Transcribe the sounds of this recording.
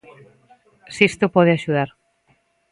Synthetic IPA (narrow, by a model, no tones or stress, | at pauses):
sist̪opɔð̞ɪaʃuðaɾ